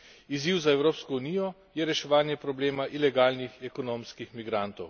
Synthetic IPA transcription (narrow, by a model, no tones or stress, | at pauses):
iziwzaɛwɾoːpskɔunijɔ | jɛɾɛʃɛʋaːnjɛpɾɔbleːmaʔilɛɡaːlnixɛkɔnoːmskixmiɡɾant̪ɔw